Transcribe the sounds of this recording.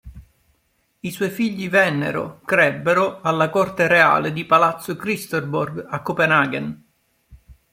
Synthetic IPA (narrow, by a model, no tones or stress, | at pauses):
iswɔjfiʎːivɛnːḛɾo̰kɾɛbːeɾoalːakɔrt̪eɾea̰ːled̪ipalat̪sːokɾist̪orborɡakːopenaɡen